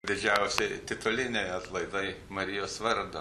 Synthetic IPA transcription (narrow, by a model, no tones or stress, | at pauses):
d̪ʲɪd͡ʒʲæʊsʲɪt̪ʲɪt̪ʊlʲɪnʲɛɪɐt̪lˠɐɪd̪ɐɪmɐɾʲɪjoːsʋɐɾd̪o